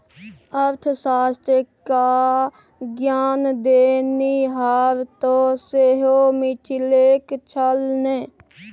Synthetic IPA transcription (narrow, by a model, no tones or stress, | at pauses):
əɾt̪ʰsaːst̪ɾəka | ɡjaːnd̪eːniːɦaːɾt̪oːseɦoːmɪt͡ʃʰileːkt͡ʃʰəlneː